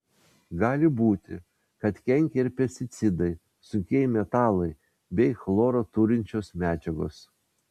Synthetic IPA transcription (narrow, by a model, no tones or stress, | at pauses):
ɡɑːlʲɪbuːt̪ʲɪ | kɐt̪kʲɛŋʲkʲeɪɾpʲɛsʲt̪ʲɪt̪sʲɪd̪ɐɪ | sʊkʲeɪmʲɛt̪ɑːlˠɐɪ | bʲɛɪxlˠoːɾoːt̪ʊɾʲɪnʲt͡ʃʲoːsmʲæːd͡ʒʲɛɡo̰ːs